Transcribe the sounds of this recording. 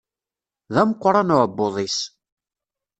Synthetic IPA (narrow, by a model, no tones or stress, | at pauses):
ðæmqʷːɾˤɑnuəbːoðˤis